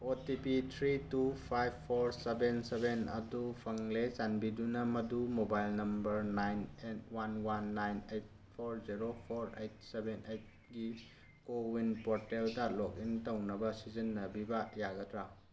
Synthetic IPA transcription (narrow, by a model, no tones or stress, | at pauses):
otipitʰɾitupʰajbʰoɾsebensebenɐ̰dupʰɐŋlesanbidunɐmɐdumobajlnɐmbɐɾnajnet̚wanwanːajnejt̚ | pʰoɾziɾopʰoɾejt̚sebenejt̚ | ɡi | kowinpoɾteldɐlok̚intɐwnɐbɐsizinːɐbibɐjaɡɐtɾa